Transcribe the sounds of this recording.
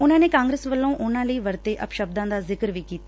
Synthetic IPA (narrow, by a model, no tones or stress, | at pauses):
ʊnãːneːkaːŋɡɾeːsʋəlːõːʔʊnãːləiːʋəɾt̪eːʔəpʃəb̚d̪ãːd̪aːzɪkəɾʋiːkiːt̪a